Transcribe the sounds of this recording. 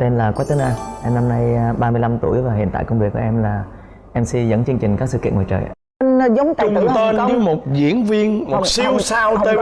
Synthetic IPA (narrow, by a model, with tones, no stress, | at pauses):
t̪e˧nlaː˨˩kwa˨˦˥t̪ə˨˦nʔaː˧ʔɛ˧mna˧mna˧jɓaː˧mɨ˧əjla˧mt̪u˧˩əjvaː˨˩ɦḭ˧˨ənt̪a̰ː˧˨kə˧wŋ͡mvi˨˩əkːʔɛ˧mlaː˨˩ | ʔɛ˧msi˧zə̰˧˥nt͡ɕɨ˧əŋt͡ɕï˨˩ŋ̟kaː˦˥k̚sɨ̰˧˨kḭ˧ənŋɔː˨˩t͡ɕə̰ː˨˩˧ | n˧za˨˦wŋ͡mt̪a̰ːʊ˧˨ə˨˧˦o˧˨˦mo˨˩t̚zḭ˧˥ənvi˧ənmo˨˩si˧wsaː˧we˧